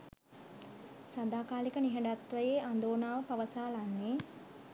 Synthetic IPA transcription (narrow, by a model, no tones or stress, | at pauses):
sad̪aːkaːlikəniɦəɖat̪ʋəjeʔand̪oːnaːʋəpaʋəsaːlanːe